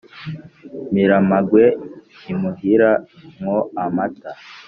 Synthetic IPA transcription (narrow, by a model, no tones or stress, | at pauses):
miɾamaɡwe | imuɦiɾamŋoamata